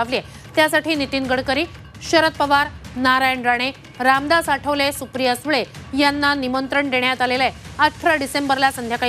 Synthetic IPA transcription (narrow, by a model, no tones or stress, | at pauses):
aʋlie | t̪jasaʈʰiːnit̪iːnɡəɽkəɾiː | ɕəɾət̪̚pəʋaɾnaɾajəɳɖɾaɽ̃e | ɾamd̪asaʈʰəʋlesupɾijəsʋɭejanːanimənt̪ɾəɳd̪eɳjat̪aleleat̪ʰɾaɖisembəɾlasənd̪ʱjaka